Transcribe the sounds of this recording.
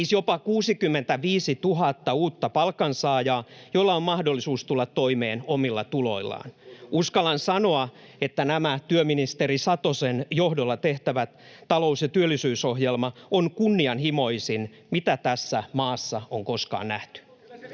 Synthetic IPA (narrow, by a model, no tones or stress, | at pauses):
iːsjopɑkuːsikymːent̪æʋiːsit̪uɦɑt̪ːɑuːt̪ːɑpɑlkɑnsɑːjɑːjolːɑommɑhdolːisuːst̪ulːɑt̪t̪ːoimeːnomilːɑt̪ulo̞̰ilˑːɑ̰ːnuskɑlɑnsɑnoɑ | et̪ːænæmæt̪yøminist̪eɾisɑt̪osenjohdolːɑt̪eht̪æʋæt̪ | tɑlo̞usjɑt̪yølːˑisyːsohjelmɑonkunːiɑnhimo̞isin | mit̪æt̪æsːæmɑːsːɑoŋkoskɑ̰ːnnæht̪y̥